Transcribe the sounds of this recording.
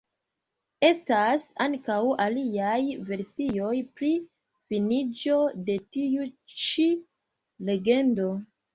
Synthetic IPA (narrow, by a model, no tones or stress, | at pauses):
e̞stasaŋkawaliajve̞ɾsijo̞jpɾi | finid͡ʒo̞de̞tiut͡ʃi | le̞ɡe̞ndo̞